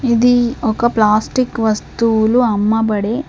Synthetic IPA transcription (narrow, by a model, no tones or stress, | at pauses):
id̪iɔkɐplaːsʈikʋɐst̪uluɐmːɐbɐɽeː